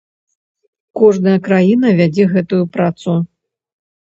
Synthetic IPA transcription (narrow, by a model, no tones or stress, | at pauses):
kɔʐnɐjɐkɾajin̪ɐvʲad͡zʲɛɣɛt̪ujupɾat̪su